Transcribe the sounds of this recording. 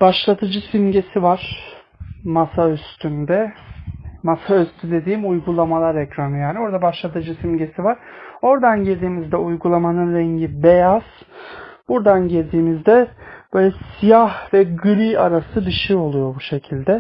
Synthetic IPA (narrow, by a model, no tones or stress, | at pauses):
baʃlˠat̪ʰɯd͡ʒɯsimɟe̞sivaɾ̥ | masayst̪ʰynd̪ɛ | masayst̪ʰyd̪e̞d̪iːmujɡulˠamalˠaɾɛcɾanɯjaːnio̞ɾd̪abaʃlˠat̪ʰɯd͡ʒɯsimɟe̞sivaɾ̥o̞ɾd̪anɟiɾʲd̪iːmizd̪ɛujɡulˠamanɯnɾɛɲɟibejaz̥ | b̥uɾd̪anɟiɾʲd̪iːmizd̪ɛb̥øːlʲɛsijahvɛɡɯɾʲiaɾasɯb̪iʃio̞lˠujo̞ɾbuʃe̞cʰilʲd̪ɛ